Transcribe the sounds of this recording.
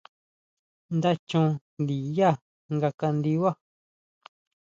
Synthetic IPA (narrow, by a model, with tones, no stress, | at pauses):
nd̪a˦t͡ʃũ˦˧nd̪i˨ja˦˨ | ŋɡa˧ka˧nd̪i˧wa˦˨